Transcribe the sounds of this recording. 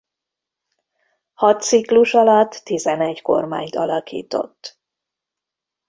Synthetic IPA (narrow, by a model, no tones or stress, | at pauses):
hɒt̪sikluʃɒlɒt̪ːizɛnɛɟko̞̰rma̰ːɲt̪ɒlɒkḭːt̪o̞̰t̪ː